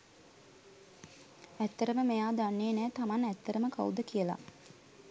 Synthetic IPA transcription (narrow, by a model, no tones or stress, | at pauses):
æt̪ːəɾəməmejaːd̪anːeːnæːt̪amanæt̪ːəɾəməka̰ud̪əkijəla̰